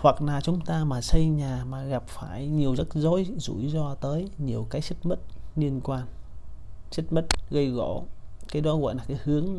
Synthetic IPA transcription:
hwa˨˩k̚naː˨˩t͡ɕʊ˨˦ŋ͡mt̪aː˧maː˨˩sə˧jɲaː˨˩maː˨˩ɣa˨˩p̚faː˧˩jɲi˨˩əwzə˦˥t̚zo˧˦jzṵ˧˩jzɔ˧t̪əː˨˦jɲi˨˩əwkaː˨˦jt͡ɕə˦˥t̚mə˦˥t̚li˧ənkwaː˧n | t͡ɕə˦˥t̚mə˦˥t̚ɣə˧jɣɔ̰˧˩kaː˨˦jɗɔ˨˦ɣɔ̰˧˨jnlaː˨˩kaː˨˦jhɨ˨˦əŋ

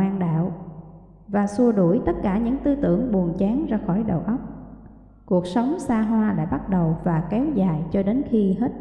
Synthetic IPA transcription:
aː˧nɗa̰ː˧˨w | vaː˨˩su˧əɗu˧˩əjt̪ə˦˥t̚kaː˧˩ɲɨ̰˧˥ŋt̪ɨ˧t̪ɨ̰˧˩əŋɓu˨˩ənt͡ɕɛ˨˦ŋzaː˧xɔ˧˩jɗə˨˩wʔə˦˥wk͡p̚ | ku˨˩ək̚sə˨˦wŋ͡msaː˧ɦwaː˧ɗa̰ː˧˥ɓa˦˥t̚ɗə˨˩wvaː˨˩kɛ˨˦wzaː˨˩jt͡ɕɔ˧ɗe˨˦nxi˧ɦe˦˥t̚

